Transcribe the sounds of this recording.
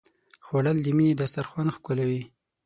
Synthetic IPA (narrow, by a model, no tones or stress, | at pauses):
xwaɽald̪iminid̪ast̪aɾxwanxkʊlawi